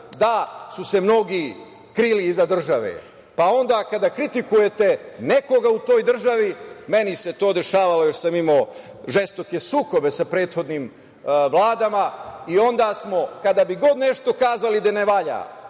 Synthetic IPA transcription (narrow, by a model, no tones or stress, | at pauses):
d̪asuse̞mno̞ɡi | kɾiliːzad̪r̩ʒaʋḛ | pao̞nd̪aːkad̪akɾit̪ikuje̞t̪e̞ne̞ko̞ɡaut̪o̞ːjd̪r̩ʒaʋime̞nise̞t̪o̞ːd̪e̞ʃaːʋalo̞joʃsamimo̞ | ʒest̪o̞ke̞suːko̞be̞sapɾeːt̪xo̞d̪niːm | ʋlˠaːd̪amaio̞nd̪aːsmo̞kad̪abiɡo̞d̪ne̞ʃt̪o̞kaːzalid̪aneʋaʎa̰ː